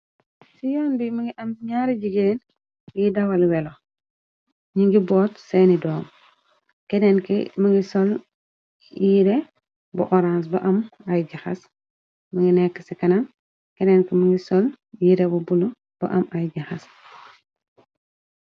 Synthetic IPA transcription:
sijɔːnbimɐŋɡiʔɐmɲaːɾiɟiɡeːn | jidɐwɐlwɛlo | ɲiŋɡibɔːtsɛnidɔːm | kɛdɛnkḭmɐŋɡisɔl | jiɾɛ | buʔɔɾans̬bɐʔɐmɐjɟɐxɐ̰s | məŋɡinɛkːə̥sikɐnɐm | kɛnɛnkiməŋɡisɔl | jiɾɛbubulu | b̥ɐ̰ʔɐmɐjɟɐxɐs

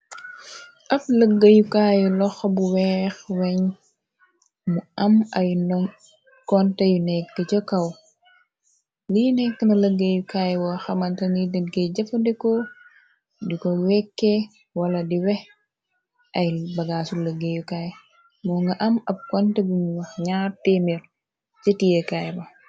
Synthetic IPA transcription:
ʔɐp̚ləɡːɐjukaːjɛlɔxbuwɛxwɛɲ | muɐmɐjnɔŋ | kɔntɛjunɛkːɐt͡ʃɔkɐw | lijunɛk̚kɐnɐləɡɐjukaːjwɔxɐmɐntɐnidɛnɡeɟɐfɐdɛkɔ | dikɔwɛkːe | wɐlɐdiwɛh | ʔɐjbɐɡaːsulɐɡejukaj | mɔŋɡɐʔɐmɐb̚kɔntɛbiɲwɐxɲaːɾtemiɾ | t͡ʃɐtijekajbɐ

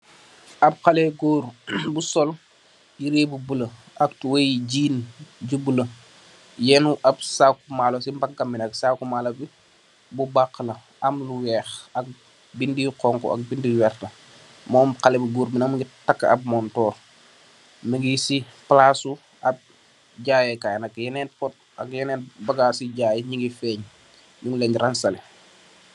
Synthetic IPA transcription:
ɐb̚xalɛɡoːɾbusɔl | jiɾeːbubulə | ɐktuwejiɟiːnɟubulə | jɛnuʔɐbsakumaːlosimbakːɐmːinɐksakumalɐbi | bubakːlɐ | ɐmluwɛːxɐk̚ | bindiqɔŋkɔ̰ɐ̰k̚bindiwɛrtɐ | mɔːmkɐlɛbuɡuːɾbinɐŋməŋɡitɐkːɐ̰b̚mɔːntɔːl | məŋɡisiplaːsu | ɐb̚ | ɟaːjɛkajnɐkjɛnɛːnpɔt̚ | ɐ̰kjɛnɛːnbɐɡaːsiɟaːjɲiŋɡifɛːɲ | ɲuŋlɛɲrɐnsɐlɛ

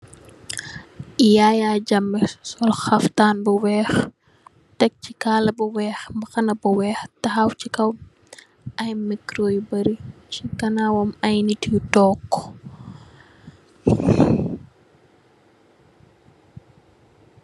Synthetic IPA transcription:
jaːjaːd͡ʒɐmːɛsɔlxɐftaːnbuwɛːx | tɐk̚t͡ʃikaːlɐbuwɛːxmbɐxɐnɐbuwɛːxtɐxawt͡ʃikɐw | ʔɐjmikɾoːjbɐɾit͡ʃikɐnaːwɔmɐjnititɔːkːɔ̥

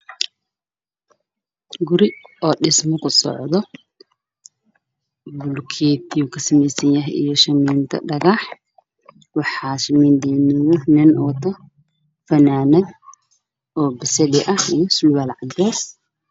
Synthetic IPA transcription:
ɡʊɾɪɔːɗɪsmɔkʰʊsɔ̰ʕðɔ | bʊlkʰɛːt̪ʰiukʰɐsɐmɛjsɐnjɐɦḭjɔʃɐmiːnt̪ʰɐ̰ɖɐɣaħ | wɑħɑːʃɐmiːnt̪ɛːnʊjʊnɛnʔɔːt̪ʰɐ | fɐnaːnɐn | ʔɔːbɪsɛlɪʔɐhijɔsʊlwalʕɑdɛs

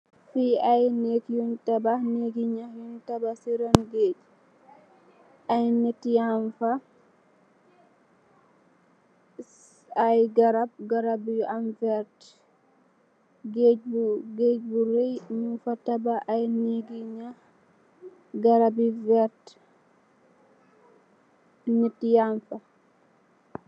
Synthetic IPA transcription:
fiajnekjuntabaneɡiɲahjɔntabasiɾanɡed͡ʒ | ajnetːijaɱfa | ajɡaɾab̚ɡaɾabiamvɛɾt | ɡeɟ̚bɡeɟ̚buɾejɲunfatabaʔajniɡiɲa | ɡaɾabivɛɾt | nɛtːjaɱfa

